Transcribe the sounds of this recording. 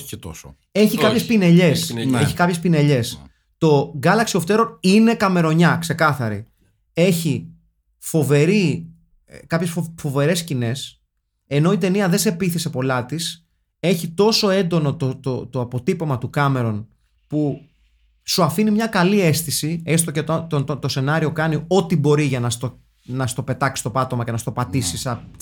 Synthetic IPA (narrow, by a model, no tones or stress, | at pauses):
t̪os | e̞çikɐpçespine̞ʎe̞se̞çi̥kɐpçespine̞ʎe̞s | t̪o̞ɡɐlɐksio̞ft̪e̞ɾo̞nine̞kɐme̞ɾo̞ɲɐkse̞kɐθɐɾḭ | e̞çi | fo̞ve̞ɾi | kɐpçesfo̞ve̞ɾe̞scine̞s | e̞no̞it̪e̞niɐðe̞se̞piθise̞po̞lɐt̪is | e̞çit̪o̞so̞e̞nd̪o̞no̞t̪ot̪ot̪oɐpo̞t̪ipo̞mɐt̪ukɐme̞ɾo̞n | pu | suɐfinimɲɐkɐlie̞st̪isiest̪ocet̪ot̪oot̪o̞se̞nɐɾio̞kɐnio̞t̪ibo̞ɾiʝɐnɐst̪o | nɐst̪o̞pe̞t̪ɐksi̥st̪o̞pɐt̪o̞mɐce̞nɐst̪o̞pɐt̪isisɐ